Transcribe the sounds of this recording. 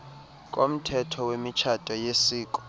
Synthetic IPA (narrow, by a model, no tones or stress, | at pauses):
k̬ʼom̩tʰɛtʰɔwemit͡ʃʰatʼɔjesiːkʼɔ̥